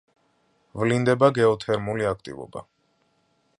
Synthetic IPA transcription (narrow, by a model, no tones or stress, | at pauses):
vlind̪ɛbaɡɛɔt̪ʰɛɾmuliakʰt̪ʼḭvɔ̰ba̰